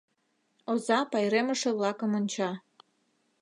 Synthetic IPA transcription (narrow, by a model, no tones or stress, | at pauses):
ozɑpɑjɾeməʃeβlɑkəmonʲt͡ɕɑ